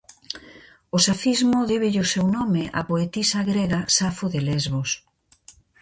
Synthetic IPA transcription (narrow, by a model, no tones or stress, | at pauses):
osafizmʊðeβeʎosewnɔmeʔa̰poet̪isaɣɾeɣasafoðelezβos